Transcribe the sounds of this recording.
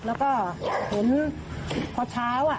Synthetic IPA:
lɛː˦˥wkɔː˥˩he˩˦n | pʰɔː˧˩t͡ɕʰaː˦˥wʔa˨˩

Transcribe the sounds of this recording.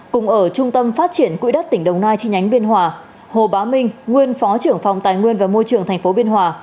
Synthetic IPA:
kʊ˨˩ŋ͡mʔəː˧˩t͡ɕʊ˧ŋ͡mt̪ə˧mfaː˦˥t̚t͡ɕi˧˩ənkwḭ˧˥ɗə˦˥t̚t̪ï˧˩ŋ̟ɗə˨˩wŋ͡mnaː˧jt͡ɕi˧ɲa˨˦jŋ̟ɓi˧ənɦwaː˨˩ | ho˨˩ɓaː˨˦mï˧ŋ̟ŋwi˧ənfɔ˨˦t͡ɕɨ˧˩əŋfa˨˩wŋ͡mt̪aː˨˩jŋwi˧ənvaː˨˩mo˧jt͡ɕɨ˨˩əŋt̪ʰa˨˩ŋ̟fo˨˦ɓi˧ənhwaː˨˩

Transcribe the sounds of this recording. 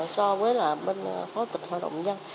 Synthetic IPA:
sɔ˧vəː˨˦jlaː˨˩ɓe˧n˧xɔ˨˦t̪i˨˩t̚haː˨˧˩ɗə̰˧˩wŋ͡mɲə˧ŋ

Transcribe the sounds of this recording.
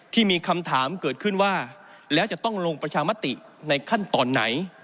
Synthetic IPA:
t̪ʰiː˥˩miː˧kʰa˧mt̪ʰaː˩˦mkɤː˨˩t̪̚kʰɯ˥˩nwaː˥˩ | lɛː˦˥wt͡ɕa˨˩t̪ɔ˥˩ŋlo˧ŋpɾa˧t͡ɕʰaː˧ma˦˥t̪ːi˨˩ | na˧jkʰa˥˩nt̪ɔː˧nːa̰˩˦j

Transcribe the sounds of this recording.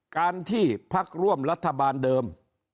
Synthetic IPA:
kaː˧nt̪ʰiː˥˩pʰa˦˥˩k̚ɾu˥˩əmɾa˦˥t̪ʰːa˧baː˧ndɤː˧m

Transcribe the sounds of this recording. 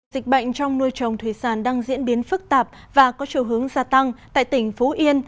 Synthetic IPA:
zï˨˩k̟̚ɓə̰˧˨jŋ̟t͡ɕɔ˧wŋ͡mnu˧əjt͡ɕə˨˩wŋ͡mt̪ʰwi˧˩saː˧˩nɗaː˧ŋzḭ˧˥ənɓi˨˦ənfɨ˦˥k̚t̪aː˨˩p̚ | vaː˨˩kɔ˨˦t͡ɕi˧˩əwɦɨ˨˦əŋzaː˧˩t̪a˧ŋt̪a̰ː˧˨jt̪ï˧˩ŋ̟fo˨˦ʔi˧ən

